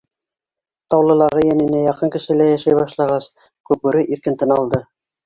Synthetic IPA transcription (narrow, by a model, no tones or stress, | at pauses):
t̪ɑwlˠɤ̆lˠɑʁɤjænɘ̆næjɑqɤŋkɘ̆ʃɘ̆læjæʃæjβɑʃlˠɑʁɑs | kʉp̚ʉɾɘʔiɾkɘ̆nt̪ɘnɑlˠd̪ɤ